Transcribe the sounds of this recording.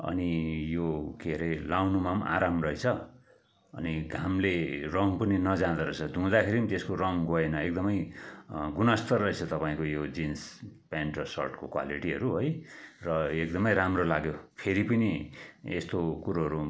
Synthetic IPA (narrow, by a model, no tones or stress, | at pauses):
ʌ̰nijokeɾelawnumama̰ɾamrʌɦet͡sʰʌ | ʌ̰niɡʱamlerʌŋpʌninʌd͡zãd̪aɾʌt͡sʰʌd̪ʱũd̪akʰeɾinit̪eskorʌŋɡoenʌek̚d̪ʌmʌj | ɡunʌst̪ʌrːʌet͡sʰʌt̪ʌpaĩkojod͡zinspaɳʈrʌsʌ̰rʈkokwa̰liʈiʌɾuɦojrʌek̚d̪ʌmʌjɾamrolaɡjopʰeɾipʌniest̪okuɾoɦʌɾu